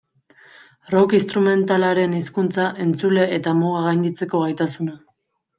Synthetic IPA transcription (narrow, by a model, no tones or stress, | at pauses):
ro̞kist̪ɾume̞nt̪alaɾe̞niskunt͡saʔe̞nt͡sule̞et̪amoɣaɣajnd̪it͡se̞ko̞ɣajt̪asuna